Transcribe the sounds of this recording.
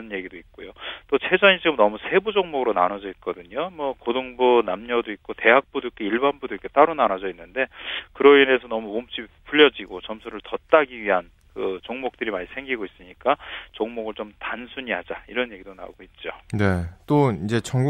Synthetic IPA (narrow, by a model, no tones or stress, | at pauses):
ʌnjeɡidoit̚k͈ojot͈ot͡ɕʰe̞d͡ʑʌɲit͡ɕiɡɯmnʌmusʰe̞bud͡ʑʌŋmoɡɯɾona̰nʌd͡ʑʌit̚k͈ʌdɯɲomwʌkodoŋbunamɲʌdoik̚k͈ote̞ɦak̚p͈udoik͈eiɭbanbudoik͈ːet͈aɾunanad͡ʑʌinːɯnde̞kɯɾʌine̞sʰʌnʌmuomt͡ɕ͈ʰipʰuʎːʌd͡ʑiɡot͡ɕʌmsʰuɾɯɭtʌt̚t͈aɡiɥiɦan | kɯt͡ɕoŋmok̚t͈ɯɾimaɲisʰe̞ŋɡiɡois͈ɯɲik͈at͡ɕoŋmoɡɯɭt͡ɕomtansʰuɲiɦad͡ʑaiɾʌnje̞ɡidona̰oɡoit̚t͡ɕ͈one̞t͈oind͡ʑe̞t͡ɕʌŋɡu